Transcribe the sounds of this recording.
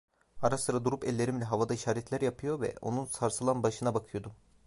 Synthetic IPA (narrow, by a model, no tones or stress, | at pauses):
aɾasɯɾad̪uɾupɛlʲːe̞ɾimlʲɛɦavad̪aiʃaːɾet̪ʰlʲæɾjapʰɯjo̞vɛ̰ʔo̞nunsaɾsɯlˠanbaʃɯnabakʰɯjo̞d̪um